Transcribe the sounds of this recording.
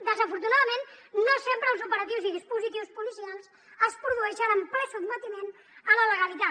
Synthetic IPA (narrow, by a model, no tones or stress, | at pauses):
d̪əzəfuɾt̪unaðəmennosempɾəːlˠzupəɾət̪iwziðispuzit̪iwspulisialˠs | əspɾuðuɛʃənəmpɾəsud̪mət̪imen | ələləɣalit̪a